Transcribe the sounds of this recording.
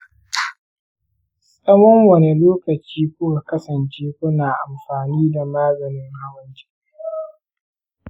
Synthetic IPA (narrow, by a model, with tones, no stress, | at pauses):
sʼɐ˦mɔ˦ŋwɐ˨ne˨loː˦kɐ˨t͡ʃiː˦kʷʊ˦ka˨kɐ˦sɐ˨nt͡ʃeː˦kʷʊ˦naː˨ʔa˨mɸaː˨niː˦da˨maː˦zɐ˨nɪ˦ŋha˦wɐ˦nt͡ʃi̥˦